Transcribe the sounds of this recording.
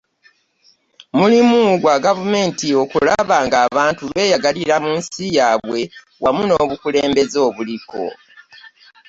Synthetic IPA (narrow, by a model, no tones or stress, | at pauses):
mulimuɡwaɡavume̞ːntio̞kulaβaːŋɡaːβaːntulwe̞ːjaɡaliɾamuːnsijaːβwe̞ | wamuno̞ːβukule̞ːmbe̞zo̞ːβuliko̞̰